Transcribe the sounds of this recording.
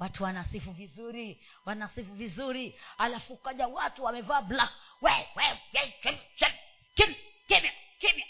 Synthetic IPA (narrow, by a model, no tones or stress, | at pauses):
watuwanasifuvizuɾi | wanasifuvizuɾihalafukaʄawatuwamɛvaːblawɛwɛwɛt͡ʃɛmʃɛm | kimkimakiba